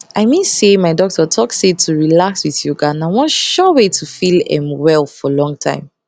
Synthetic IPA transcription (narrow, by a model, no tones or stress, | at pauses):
aɪmĩnsemaɪdɔk̚tʰɔtʰɔksetʰuɹilakswiθjuɡanawɔ̃nʃɔwetʰufilɛ̰̃mwɛlˠfɔlɔ̃ŋtʰã̰ɪ̃m